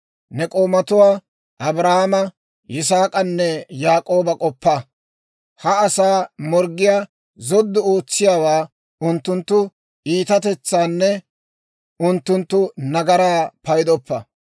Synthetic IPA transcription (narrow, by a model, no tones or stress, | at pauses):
nɛkʼo̞ːmɐt̪ʊwaː | ʔɐbɾahmɐ | jɪs̬aːkʼɐnːɛjaːkʼo̞ːbɐkʼɔpːa | hɐɐsaːmɔɾɡɪjaː | zɔd̪ːʊo̞ːt͡sːɪjaːwaː | ʊnt̪ːʊnt̪ːʊ | iːt̪ɐt̪ɛt͡sːaːnːɛ | ʊnt̪ːʊnt̪ːʊnɐɡɐɾaːpɐjd̪ɔpːɐ